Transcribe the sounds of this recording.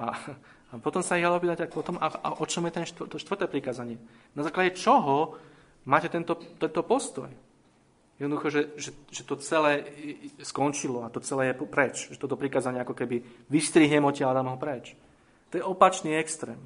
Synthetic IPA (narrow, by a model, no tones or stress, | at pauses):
ʔa | apɔt̪ɔmsaiɣd̪aɔpiːt̪acakpɔt̪ɔmaaʔɔt͡ʃɔmjɛt̪ɛnʃt̪t̪ɔʃt̪ʋr̩t̪ɛːpɾikaːzaɲɪɛ | nazaːklaɟɛt͡ʃɔɦɔ | maːcɛt̪ɛnt̪ɔt̪ɛnt̪ɔpɔst̪ɔ̰j | jɛd̪ɔd̪uxɔʒɛʒɛʒɛt̪ɔt͡sɛlɛːɛskɔnt͡ʃilɔat̪ɔt͡sɛlɛːjɛpɔpɾɛt͡ʃʒɛt̪ɔt̪ɔpɾikaːzaɲɪɛakɔkɛbiʋist̪ɾiːɦɲɛmɔcɛad̪amɔɦɔpɾɛt͡ʃ | t̪ɔjɛɔpat͡ʃniːɛkst̪ɾɛːm